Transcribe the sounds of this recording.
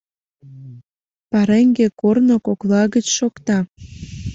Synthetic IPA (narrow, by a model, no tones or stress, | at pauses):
pɑɾeŋɡekornokoklɑɣət͡ɕʃokt̪ɑ